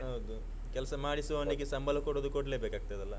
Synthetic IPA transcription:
ɦɐwd̪u | kɛlɐsɐmaːɽisuʋoːniɡesɐmbɐlɐkoɽoːd̪ukoɽɐleːbekaːɡ̚ut̪ɐd̪ɐlːɐ

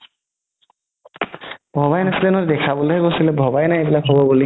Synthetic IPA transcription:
bʱɔbajnasidɛnɔd̪ɛkʰabulɦɛɡosilɛbʱɔbajnajebilakɦobɔbuli

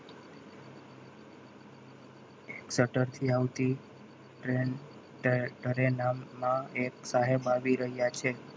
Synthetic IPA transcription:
eksəʈəɾt̪ʰiaʋt̪i | ʈɾen | ʈəɾenamːãeksaɦebaʋiɾəɦjat͡ʃʰe

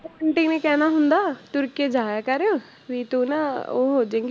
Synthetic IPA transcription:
əɳʈɪŋnekɛːnaːɦʊnd̪aːt̪ʊɾkeːd͡ʒaːjaːkəɾeo | ʋiːt̪uːnao̰ːɦoːd͡ʒãŋɡi

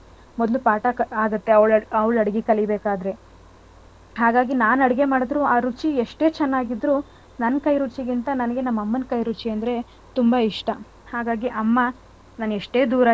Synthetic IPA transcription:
mɔd̪lupaːʈɐaːɡɐt̪ːe̞ɐʋɭɐʋɭɐɽɐɡikɐlibeːkaːd̪ɾe̞ | ɦaːɡaːɡinaːnɐɽiɡe̞maːɽɐd̪ɾuaːɾut͡ʃieʂʈe̞ːt͡ʃɛnːaːɡid̪ɾuː | nɐnːkɐjɾut͡ʃiɡint̪ɐnɐnɐɡe̞nɐmːɐmːɐnkɐjɾut͡ʃiɐnd̪ɐɾe̞ | t̪umbɐiʂʈɐ | haːɡaːɡiʔɐmːɐ | naːneʂʈe̞ːd̪uːɾa

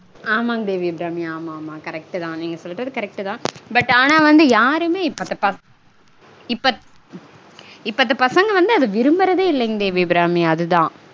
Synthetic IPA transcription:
aːmaːŋd̪eːʋibɾaːmiaːmaːmaːkɐɾɛk̚ʈɯt̪ãːniːŋɡɐsɔlːɪɾɐðɯkɐɾɛk̚ʈɯt̪ãːbɐʈːaːnaːʋɐnd̪ɯjaːɾɯmeːɪpːɐt̪ːɐpɐ | ɪpːɐ | ɪpːɐt̪ːɐpɐsɐŋɡɐʋɐnd̪ɯɐðɯʋɪɾɯmbɐɾɐðeːɪlːɛŋɡd̪eːʋibɪɾaːmiɐðɯt̪ãː

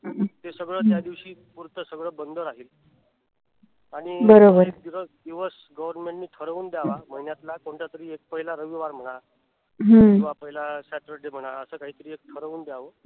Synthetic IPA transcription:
t̪esəɡɭəːt̪jad̪iʋɕiːpuɾt̪əsəɡɭəːbənd̪ʱəɾaɦiːl | aɽ̃ibəɾobəɾd̪iʋəd̪iʋəs | ɡəʋəɾnmẽɳʈniːt̪ʰəɾəuːnd̪jaʋam̤əɦinjat̪lakoɳʈ̪jat̪əɾiːek̚pəɦilaɾəʋiʋaɾm̤əɽ̃a | ɦəiʋapəɦilasɛʈɾəɾɖem̤əɽ̃aəsəːkaɦiːk̪əɾiːek̚t̪ʰəɾəuːnd̪jaʋəː

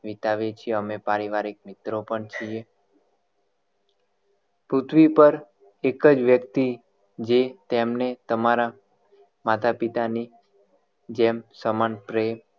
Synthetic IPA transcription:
ʋit̪aʋet͡ʃʰieəmepaɾiʋaɾik̚mɪt̪ɾopəɳt͡ʃʰie | pɾʊt̪ʰʋipəɾ | ekəd͡ʒʋjəkt̪i | d͡ʒet̪emnet̪əmaɾa | mat̪ʰapit̪ani | d͡ʒemsəmanpɾem

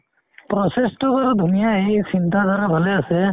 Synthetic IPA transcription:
pɾɔsestɔkɔɾɔdʱunijaejsint̪ad̪ʱaɾabʱalɛasɛ

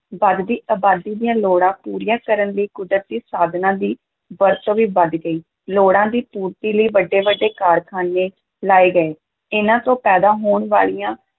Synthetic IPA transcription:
ʋəd̪d̪iːʔaːbaːd̪iːd̪ijãːloːɽãːpuːɾijãːkəɾənləiːkʊd̪ɾət̪̚d̪iːsaːd̪nãːd̪iː | ʋəɾt̪õːʋiːbəd̪ɡəiː | loːɽãːd̪iːpuːɾt̪iːləiːʋəɖːeːʋəɖːeːkaːɾkʰaːneː | laːeːɡəeː | ɪnãːt̪õːpɛːd̪aːɦoːɳʋa̰ːɭijãː

